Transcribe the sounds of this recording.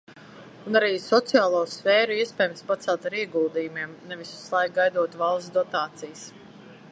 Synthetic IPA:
unaɾiːsɔt̪sijaːlˠuɔsfɛːɾuiɛspɛːjmspat̪sɛlˠt̪aɾiɛɡulˠd̪iːjumiɛmnɛvisu̥slˠajk̚ɡajd̪uɔt̪valˠsd̪ɔt̪aːt̪sijs

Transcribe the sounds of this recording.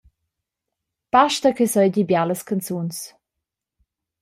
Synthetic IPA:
paʃtəkəsɔjɟibjaləskʰant͡suns

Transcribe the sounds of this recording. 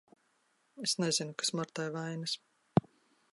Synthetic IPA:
esnezinukḁsmɔɾt̪ajvajnas

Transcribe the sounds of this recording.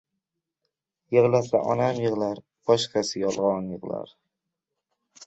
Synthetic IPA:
jɨʁlasa̰ʔɒnamjɨʁlaɾ | b̥ɒʃqʰɑsɪjɒlˠʁɒnjɨʁla̰ɾ

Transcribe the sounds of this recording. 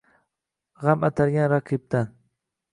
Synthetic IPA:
ʁɑmat̪aɾjaŋɾaqɪp̚t̪aŋ

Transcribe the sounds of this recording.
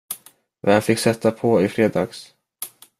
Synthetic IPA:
vanfɪkːsɛt̪ːapʰɔɪfɾeːd̪ɑːɡs

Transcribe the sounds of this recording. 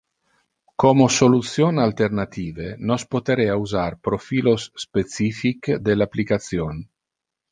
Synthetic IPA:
komosolut̪sjonalt̪ernat̪iːvenospot̪eɾeauzarpɾofiːlosːpet̪sifikd̪elapːlikat̪sjon

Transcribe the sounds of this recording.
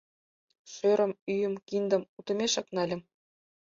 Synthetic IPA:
ʃøɾʲɤ̆myjɘ̆mkʲind̪ɤ̆mut̪ɤ̆mʲeʃɑknɑlʲɘ̆m

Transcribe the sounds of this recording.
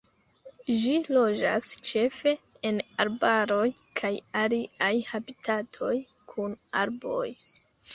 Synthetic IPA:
d͡ʒilo̞d͡ʒast͡ʃe̞fe̞ | enaɾbaɾo̞j | kʰajaliajhabitʰatʰo̞j | kʰuna̰ɾbo̞̰j

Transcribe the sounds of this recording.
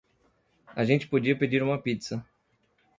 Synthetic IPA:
ɐʒẽnt͡ʃɪ̥pod͡ʒiɐped͡ʒiɾũmɐpitsɐ

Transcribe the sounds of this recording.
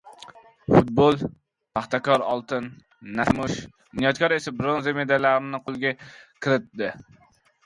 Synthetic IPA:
fut̪̚bolˠ | pʰɑχt̪ɛkɑɾɑ̰lˠt̪ʰɨnː | æsmuʃ | nijɑt̪̚kʰɑɾesɪbɾonzemed̪ɛlæɾnɪqʰolˠɡʲɛkʲʰɪɾɪt̪̚d̪ɪ

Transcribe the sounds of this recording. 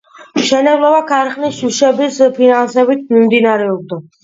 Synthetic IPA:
mʃɛnɛblˠɔbakʰaɾχʼnisʃuʃɛbispʰinansɛbit̪̚ʰmimd̪inaɾɛɔb̚d̪a

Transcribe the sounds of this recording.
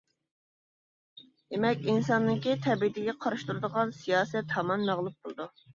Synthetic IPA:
d̪emɛkʲinsɑnːɨkʲit̪ʰɛbiid̪ɪɡʲɛqʰɑɾɨʃt̪uɾɨd̪əʁɑnsijɑːsɛt̪hɑmɑnːæʁlˠup̚bolˠɨd̪u

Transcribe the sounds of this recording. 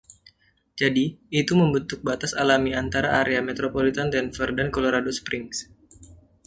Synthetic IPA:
d͡ʒadiːt̪uməmbənt̪ʊk̚bat̪asalamiant̪aɾaʔaɾeamet̪ɾopolit̪ant̪ɛnfərdankoloɾadospɾɪŋs

